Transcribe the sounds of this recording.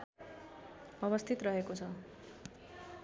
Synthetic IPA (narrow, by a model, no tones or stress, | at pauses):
ʌβʌst̪ʰit̪rʌɦekot͡sʰʌ